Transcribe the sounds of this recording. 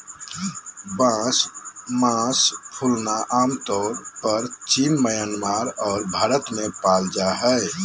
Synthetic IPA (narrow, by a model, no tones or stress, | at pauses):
bãsmãspʰulnaʔaːmt̪ɔːɾpəɾt͡ʃiːmːəjanmaːɾɔːɾbʱaːɾət̪mẽpaːld͡ʒaɦɛ